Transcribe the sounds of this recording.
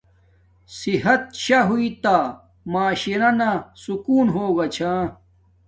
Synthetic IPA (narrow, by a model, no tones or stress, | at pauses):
siɦɐt̪̚ɕɐɦuit̪a | maːɕinɐnasukuːnɦoːɡɐt͡ɕʰãː